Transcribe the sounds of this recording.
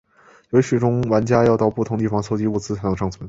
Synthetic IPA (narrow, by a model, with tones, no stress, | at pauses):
jo˧˥ʊɕʰy˨˩ʈ͡ʂʊ˥ŋwa˧˥nt͡ɕja˥jɑ˥˧ʊt̪ɑ˥˧ʊpu˥˩ʊ˧˥ŋt̪i˥˩fɑ˨˩ŋsʰo˥ʊt͡ɕi˧˥u˥˩t͡sɹ̩˥t͡sʰn˧ŋʂʰɑ˥˩ŋt͡sʰə˧˥n